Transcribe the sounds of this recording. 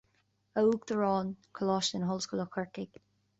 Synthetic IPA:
əuːkd̪̥əɹɔːnkʰəlɔːʃənɦɔlskuləkʰəɹkɪɡ̥

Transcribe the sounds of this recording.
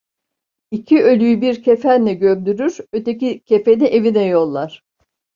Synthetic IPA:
icʰiø̞lʲyjybiɾcʰe̞fænlʲɛɟømd̪yɾyɾø̞t̪ecicʰe̞fe̞niʔe̞vinɛjo̞lˠːaɾ̝̥

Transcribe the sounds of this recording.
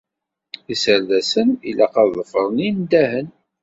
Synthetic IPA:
isəɾðæsənilæqɑððˤəfəɾˤənind̪æhən

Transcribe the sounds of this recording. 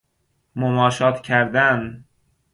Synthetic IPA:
momɒːʃɒːt̪ʰcʰæɾd̪æn

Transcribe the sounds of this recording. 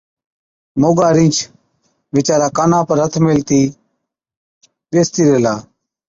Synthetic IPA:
moːɡaːɾɪ̃ːt͡ʃʰ | ʋɪt͡ʃaːɾaːkaːnãːpəɾət̪ʰmɪlt̪iː | ɓeːst̪iːɾeːlaː

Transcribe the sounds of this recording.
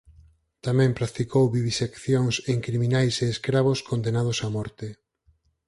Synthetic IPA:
t̪amɛ̃mpɾak̚t̪ikowβiβisekθjoŋseŋkɾimĩnajseːskɾaβ̞oskond̪enað̞ʊsamɔɾt̪e

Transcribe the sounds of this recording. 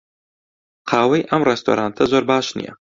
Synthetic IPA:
qʰɑːwɐjʔɐmrɛst̪ʰo̰ːɾaːnt̪ʰɐzoːɾbɑːʃnḭjɛ̰

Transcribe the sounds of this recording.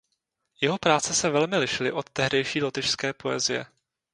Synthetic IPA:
jɛɦo̞pɾaːt͡sɛsɛvɛlmɪlɪʃɪlɪʔo̞t̪ːɛɦdɛjʃiːlot̪ɪʃskɛːpo̞ɛ̰zɪjɛ̰

